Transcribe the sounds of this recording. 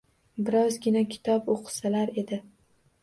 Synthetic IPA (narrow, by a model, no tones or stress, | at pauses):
bɪɾɒzɡʲɪnakʲʰɪ̥t̪ʰɒpoqʰɨ̥salaɾe̞d̪ɪ